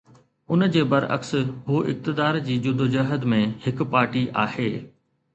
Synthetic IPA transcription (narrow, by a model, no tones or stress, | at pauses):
ʊnd͡ʑeːbɐɾə̰ksɦuːʔɪ̰k̚t̪ɪd̪aːɾd͡ʑiːd͡ʑʊd̪ʱʊd͡ʑəɦəd̪mẽhɪkpaːɾʈiʔa̰ːheː